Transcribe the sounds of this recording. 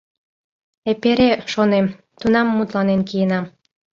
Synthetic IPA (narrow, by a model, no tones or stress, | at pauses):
epeɾeʃonem | t̪unɑmːut̪lɑnenkijenɑm